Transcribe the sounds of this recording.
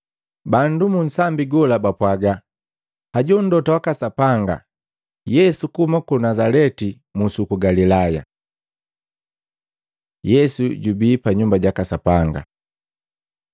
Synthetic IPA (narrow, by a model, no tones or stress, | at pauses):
bandumun̩sambiɡɔlabapwaɡa | haɟun̩dɔtawakasapaŋɡa̰ | jɛsukumakunazalɛti | musukuɡalilaja̰ | jɛsuɟubiːpaɲumbaɟakasapaŋɡa̰